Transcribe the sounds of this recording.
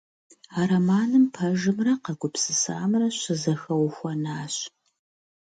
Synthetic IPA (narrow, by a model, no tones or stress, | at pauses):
aːɾɐmaːnɨmpʰɐʒɨmrɐqɐɡʷʊpsɨsa̰ːmrɐɕɪzɐxɐwxʷɐnaːɕ